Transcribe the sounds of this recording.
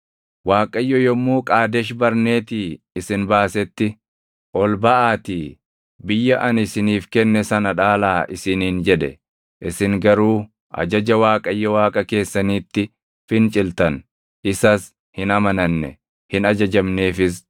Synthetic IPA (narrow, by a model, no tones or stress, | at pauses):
waːkʼɐjːɔjɔmːuːkʼaːd̪ɛʃbɐɾne̞ːt̪iː | ɪsɪnbaːsɛt̪ːɪ | ʔɔlbɐʔaːt̪iː | bɪjːɐʔɐnɪsɪniːfkɛnːɛsɐnɐᶑaːlaːʔɪsɪniːnd͡ʒɛᶑɛ̰ | ʔɪsɪŋɡɐɾuː | ʔɐ̰d͡ʒɐd͡ʒɐwaːkʼɐjːɔwaːkʼɐke̞ːsːɐniːt̪ːɪ | fɪnt͡ʃʼɪlt̪ɐn | ɪsɐs | hɪnɐmɐnɐnːɛ̰ | hɪnɐd͡ʒɐd͡ʒɐmne̞ːfɪs̬